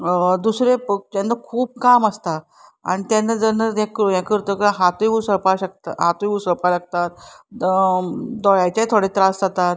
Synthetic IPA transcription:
d̪usɾept̪janːəkʰuːb̚kaməst̪a | a̰ɽ̃it̪jãnːəd͡zənəjãkjãkəɾt̪okɦat̪ojeũsəɾpaɕək̚t̪aɦat̪ujeũsəɾpalaɡt̪at̪̚ | d̪ɔjajt͡ɕat̪ʰoɽet̪ɾasd͡zat̪at̪

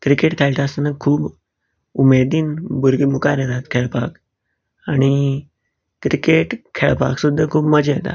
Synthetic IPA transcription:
kɾikeʈkʰelʈ̪ʰaəsanəkʰuːb | umed̪iːnbuɾɡimukaɾeɾat̪kʰeɭpak | aɽ̃i | kɾikeʈkʰeɭpa̰ksud̪ʱːəkʰuːbməd͡ʑeet̪a̰

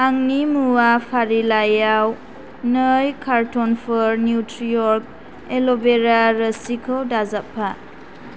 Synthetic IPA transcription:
aŋnimuwapʰaɾilajaw | nəjkʰaɾtɔnpʰəɾnjutɾijɔɾk̚ | elɔbeɾaɾəsikʰɔwdazapʰːa

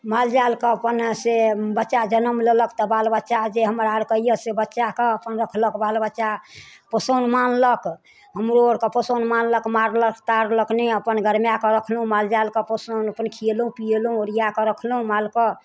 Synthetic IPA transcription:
mald͡ʒalkəəpənsebətːʃad͡ʒənəmleləkt̪ɔbalbətːʃad͡ʒeɦəməɾaɾkəijəsebətːʃakəəpənɾəkʰləkbalbətːʃa | pəsənmanlək | ɦəmɾooɾkəpəsənmanləkmaɾləkt̪aɾləkneəpənɡəɾmjakəɾəkʰlũmald͡ʒalkəpəsənəpənkʰielũpielũoɾijakəɾəkʰlɦũmalkə

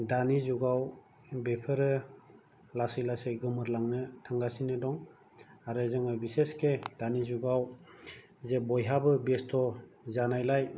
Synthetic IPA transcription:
danizuɡaw | bepʰɯɾɯ | lasɯlaseɡɯmɯɾlaŋnɯtʰaŋɡasinɯdɔŋ | aɾɯzɯŋɯbisesked̥anizuɡaw | zebɔjɦabɯbestʰɔ | zanajlaj

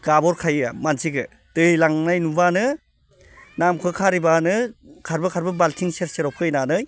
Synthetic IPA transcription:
ɡabɔɾkʰajamansiɡɯ | dɯjlaŋnajnubanɯ | namkʰɯkʰaɾibanɯkʰaɾbɯkʰaɾbɯbaltʰiŋseɾseɾɔwp̚kʰɯjnanɯj

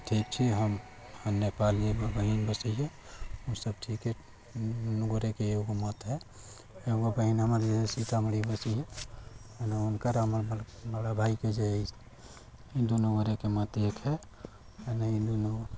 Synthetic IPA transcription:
ʈʰikt͡ʃʰiɦəm | hənːepaliebbəɦinbəsiɦɛ | usəb̚ʈʰike | nuɡoɾekeeɡomət̪ɦɛ | eɡobəɦinɦəməɾd͡ʒesesit̪amɽibəsiɦɛ | enaunkəɾəmɾbəɽabʱaiked͡ʒeəjsʰ | id̪onoɡoɾekemət̪ekʰɦɛ | enəĩd̪ono

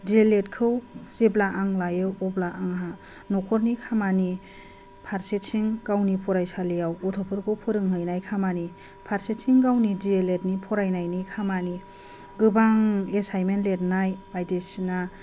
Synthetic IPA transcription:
d͡ʒieletkʰɯwz̥eblaʔaŋlajɯwɔblaʔaŋɦa | nɔkʰɔɾnikʰamani | pʰaɾsesʰiŋɡ̥awnipʰɔɾajsalijawɔtʰɔpʰɯɾkʰɯwpʰɯɾɯŋɦɯjnajkʰamani | pʰaɾsesʰiŋɡawnid͡ʒielet̚nipʰɔɾajnajnikʰamani | ɡɯbaŋesajmenlet̚najajdesina

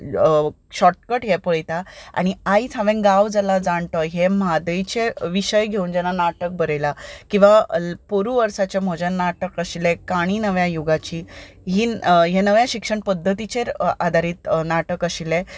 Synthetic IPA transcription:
ɕɔʈ̚kəʈɦɛpəɭjt̪aa̰ɽ̃iait͡sʰãʋẽŋɡaʋd͡zəlad͡zaɳt̪ɔjɦemad̪əjt͡ɕeʋiɕəjɡʱeund͡ʑɛnanaʈək̚bəɾelakĩw̃ʋapoɾuʋəɾsat͡ɕam̤ɔd͡ʑannːaʈəkəɕilekaɽ̃iːnəʋjajuɡat͡ɕiː | ɦiːɦenəʋjaɕikʂəɳpəd̪ʱːət̪it͡ɕeɾad̪ʱaɾiːt̪naʈəkəɕilẽ

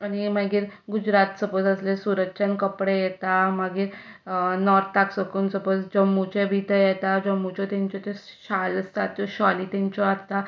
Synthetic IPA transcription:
añimaɡiːɾɡud͡ʑɾat̪səpət͡səslesuɾəkɕənkəpɽejet̪amaɡiːɾ | nɔɾt̪ʰt̪aksəkunsəpət͡sd͡ʑəmːut͡ɕebʱit̪əjet̪ad͡ʑəmːut͡ɕɔt̪ãɲt͡ɕɔt̪eɕaləst̪at̪ːjɔɕaliːt̪ɛ̃ɲt͡ɕɔaɾt̪a

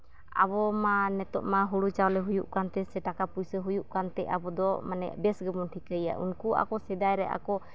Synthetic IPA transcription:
a̰bɔmanɛt̪ɔʔmaɦuɽut͡ʃawlɛɦujuʔkant̪ɛsɛʈakapujsəɦujuʔkant̪ɛʔa̰bɔd̪ɔmanɛ̰ʔbɛsɡɛbɔnʈʰikəja̰ʔṵnkua̰kɔsɛd̪ajɾɛʔa̰kɔ

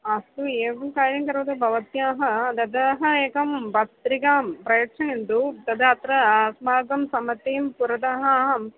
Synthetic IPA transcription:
ɐst̪ueːʋɐmkaːɾɐmkɐɾuʋɐd̪ɐbʱɐʋɐt̪jaːɦɐɐd̪ɐd̪ɐːɦɐeːkɐmbɐt̪ɾikaːmpɾɐjɐkʂɐnend̪ut̪ɐd̪ɐɐt̪ɾɐsmaːɡɐmsɐmɐt̪eːmpuɾɐd̪ɐɦɐɦɐm

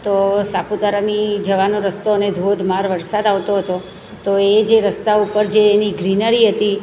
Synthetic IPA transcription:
t̪osaput̪aɾanid͡ʒəʋanoɾəst̪oəned̪ʱod̪ʱmaɾʋəɾsad̪aʋt̪oɦət̪o | t̪oed͡ʒeɾəst̪aupəɾd͡ʒeːniɡɾinəɾiɦət̪i

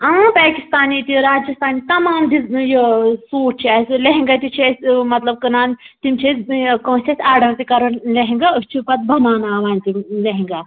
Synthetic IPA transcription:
aːpaːkist̪aːnit̪iɾaːd͡ʒjɐst̪aːnit̪ɐmaːmd̪ijɐsoːʈ̚t͡ʃʰiɐsʲleɦiŋɡɐt̪it͡ʃʰiɐsʲmɐt̪lɐb̚kɨnaːnt̪imt͡ʃʰɐskɐ̃sʲʰɐsʲaːɖɐɾt̪ikɐɾɐnlɐɦĩŋɡaɨst͡ʃʰipɐt̪̚bʱɐmaːnaːʋaːnʲt̪imlɐɦĩŋɡa

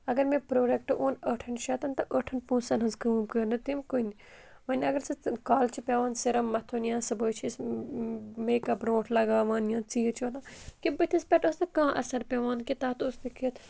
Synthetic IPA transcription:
ɐɡɐɾmẽpɾoːɖek̚ʈɨʔoːnəʈʰɐnʃɐːt̪ɐnt̪ɐʔəːʈʰɐnpũːsɐnɦɐnzkɨːmkəːnɨt̪imkun | ʋɐnʲɐɡɐɾsɨkaːlt͡ʃʰipʲɐːʋãːnsiɾɐmːɐt̪ʰonjãːsɐbəːt͡ʃʰis | meːkɐbɾõːʈʰlɐɡaːʋãːnjãːt͡siːt͡ʃʰʋɐnãːkibɨt̪ʰispʲɛʈosnɐkãːʔɐ̰sɐɾpʲɐʋãːnkit̪aːt̪ost̪ikit̪ʰ

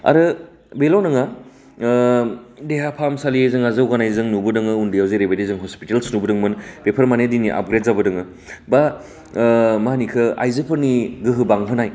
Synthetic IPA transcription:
a̰ɾɯ | belownɐŋa | deɦapʰamsaliezɯŋazɐwɡanajzɯŋnubɯdɯŋɯundijawzejɾebedezɯŋɦɔspitelsnubɯdɯŋmɯnpepʰɐɾmanediniʔa̰p̚ɡɾedzabɯdɯŋɯ | ba | manikʰɯa̰jzɯpʰɯɾniɡɯɦɯbaŋɦɯnaj

